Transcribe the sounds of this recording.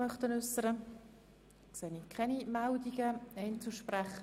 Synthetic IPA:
mœχtənʉsːəɾə | kseːnikʰɛnimɛldiɡəɛɪnt͡suʃprɛχə

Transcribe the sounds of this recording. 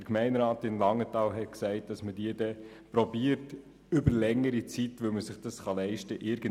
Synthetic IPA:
dəɾkmɛɪnɾɑːtɪmlɑŋːətɑːlɦɛt̚ksæɪt̚d̥ɑsmədiədɛ | pɾɔbiəɾt | ʏbəɾlɛŋəɾit͡sitʋɵlməsɪχd̥ɑsχɑlɛɪʃtəʔɪɾɡ̥ən

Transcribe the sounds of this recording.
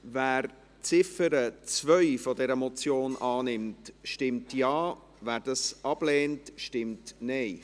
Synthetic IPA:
væːɾ | t͡sɪfəɾət͡svœʏfɔdɛɾəmɔt͡sjoːnʔɑːnɪmtʃtɪmtjɑː | væːɾdɑsʔɑb̥lɛːntʃtɪmtnɛɪ

